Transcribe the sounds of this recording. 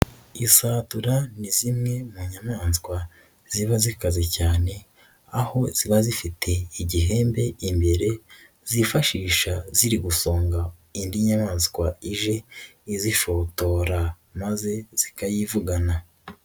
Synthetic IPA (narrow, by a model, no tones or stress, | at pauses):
isaːtuɾanizimŋe̞muɲamaːnskwa | z̥iβazikazecaːne̞ | aho̞z̥iβazifitʰe̞iɟiɦe̞ːmbe̞imbe̞ɾe̞ | z̥ifaʃiːʃaziɾiɡuso̞ːŋɡa | indiɲamaːnsikwaiʒe̞iziʃo̞to̞ɾa | maze̞z̥ikajivuɡana